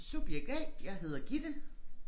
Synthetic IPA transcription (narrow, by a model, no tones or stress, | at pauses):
sub̥jeɡ̥ɛd̥jɑ̈ɪhe̝ð̞̰ˠɐɡ̥id̥ə